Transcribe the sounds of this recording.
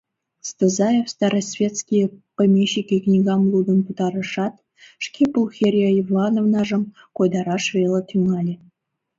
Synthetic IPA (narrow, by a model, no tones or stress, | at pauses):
st̪ɤzɑjefst̪ɑɾəsʲvʲet̪skʲijepəmʲeɕikʲiknʲiɡɑmlˠud̪ə̆nput̪ɑɾə̆ʂɑt̪ | ʂkʲepulˠxʲerʲioivlˠɑnovnɑʐɤ̆m | kojd̪ɑɾɑʂvʲelˠət̪ʲyŋɑlʲe